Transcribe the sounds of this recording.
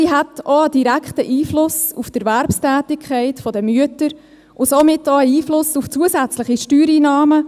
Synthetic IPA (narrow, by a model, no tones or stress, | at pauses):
siɦatɔəd̥iɾækχtəʔiːflʊsuftɛɾvæɾpstæːtɪkʰχɛɪtfɔdəmyətəɾ | ʔʊsomɪtɔəiːflʊsuft͡suəsæt͡slɪχiʃtyːɾiːnɑːmə